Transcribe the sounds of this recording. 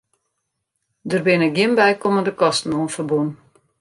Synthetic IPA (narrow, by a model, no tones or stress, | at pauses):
dərbɪnəɡjɪnbɛjkoməndəkɔstn̩oːənfərbun